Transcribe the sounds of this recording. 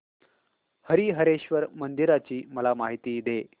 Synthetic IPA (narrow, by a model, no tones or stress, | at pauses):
həɾiːɦəɾeɕʋəɾmənd̪iɾat͡ɕiːməlamaɦit̪iːd̪e